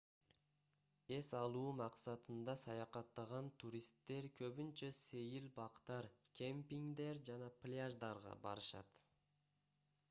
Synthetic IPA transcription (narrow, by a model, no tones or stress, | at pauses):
e̞sɑlˠuːmɑqsɑt̪ɯnd̪ɑsɑjɑqɑt̪ːɑʁɑnt̪ʰuɾʲist̪ːe̞ɾkʰøβynt͡ʃæsejilbɑqt̪ɑɾkʲʰempʲiŋd̪e̞ɾd͡ʒɑnɑplʲaʒd̪ɑɾʁɑ̰bɑ̰ɾɯʃɑ̰t̪